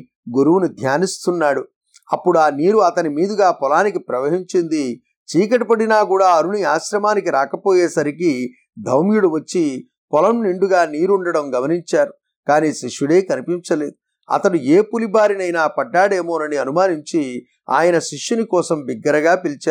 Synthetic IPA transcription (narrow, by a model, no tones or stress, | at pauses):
ɡuɾuʋunud̪ʱjaːnist̪unːaːɽu | ɐpːuɽuaːniːɾuɐt̪ɐnimiːd̪uɡaːpɔlaːnikipɾɐʋɐɦiɲt͡ʃind̪i | t͡ʃiːk̬ɐʈipɐɽinaːkuːɽaːɐɾuniaːʃɾɐmaːnikiɾaːkɐpoːjeːsɐɾiki | d̪ʱɐwmjuɽuʋɐt͡ʃːi | pɔlɐmniɳɖuɡaːniːɾuɳɖɐɽɐmɡɐmɐniɲt͡ʃaːɾu | kaːniːʃiʂjuɽe̞ːkɐnipiɲt͡ʃɐleːd̪u | ɐ̰t̪ɐɽueːpulibaːɾinɐjnaːpɐɖːaːɽeːmo̞ːnɐniɐnumaːniɲt͡ʃi | a̰ːjɐnɐʃiʂjunikɔːsɐmbiɡːɐɾɐɡaːpilt͡ʃaː